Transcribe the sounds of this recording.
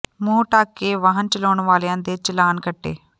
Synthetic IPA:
mũːʈaːkːeːʋaːɦənt͡ʃəloːɳʋaːlːãːd̪eːt͡ʃəlaːnkəʈːḛː

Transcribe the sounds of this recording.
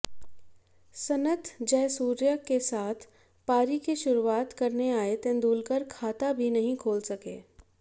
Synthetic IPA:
sɐnət̪d͡ʒɛːsuːɾjəkːesaːt̪ʰ | paːɾikeʃʊɾuaːt̪kɐɾneaːet̪ẽːnd̪uːlkəɾkʰaːt̪abʱinɐɦĩkʰoːlsɐkḛː

